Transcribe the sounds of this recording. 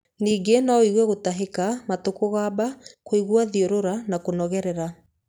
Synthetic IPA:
niːɡenɔiɣwɛɣotaɦekamatokoɣaːbakoiɣwaðioɾoɾanakonɔɣɛɾɛɾa

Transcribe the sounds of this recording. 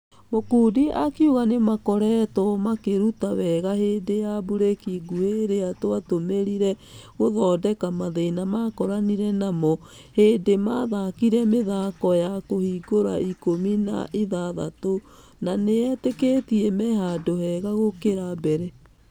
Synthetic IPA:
mokuːdiʔakiuɣanemakɔɾɛtɔmakeɾutawɛɣaɦeːdejabuɾekiɡuheɾeatwatomeɾiɾɛ | ɣoðɔːdɛkamaðenamakɔɾaniɾɛnamɔ | heːdemaðakiɾɛmeðakɔjakohiɡoɾa̰ikomina̰ʔiðaða̰to | naneɛteketiɛmɛhadohɛɣaɣokeɾabɛɾɛ

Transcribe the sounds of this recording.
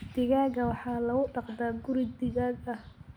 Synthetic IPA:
d̪ɪɣaːɣɐwɑħɑːlɐɣʊɖɑqd̪aːɡʊɾɪd̪ɪɣaːɡɐh

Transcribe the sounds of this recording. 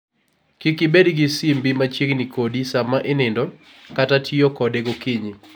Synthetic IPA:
kikɪbedɡɪsimbimat͡ʃiɡnikodisamaʔɪnɪndɔ | katatʰiokɔdeɡokiɲi

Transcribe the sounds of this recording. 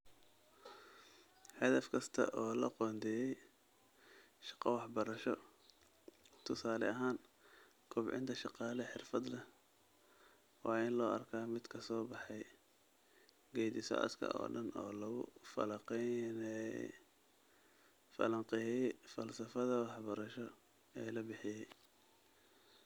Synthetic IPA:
ħɑðɐfkʰɐst̪ʰɐ̰ʔɔːlɐqɔːnd̪ʰɛjɛj | ʃɑ̥qɑwɑħbɐɾɐʃɔ | t̪ʰʊsaːlɛɐɦaːn | kʰʊbʕɪ̰nt̪ʰɐʃɑqɑːlɛħɪrfɐd̪lɐ | wɑːɪnlɔːɐ̰rkʰaːmɪd̪kʰɐsɔːbɑħɑj | ɡɛːjd̪ɪsɔ̰ʔɐ̰skʰɐ̰ʔɔ̰ːɖɐnɔ̰ːlɐɣʊ̰fɐ̰lɐqɛnɛ̰ | fɐ̰lɐŋqɪjɛjfɐlsɐfɐðɐwɑħbɐɾɐʃɔ | ɛːlɐbɪħɪjɛj

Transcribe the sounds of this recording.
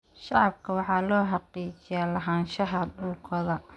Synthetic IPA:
ʃɑʕɑb̚kʰɐwɑħɑːlɔːħɑqiːt͡ʃɪjaːlɐɦaːnʃɐɦɐdʊlkʰɔðɐ

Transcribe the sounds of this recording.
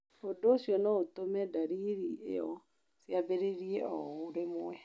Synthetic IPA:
odosiɔnɔotomɛdaɾiɾiḛɔ | sjabeɾeɾiɛɔoɾemoɛ

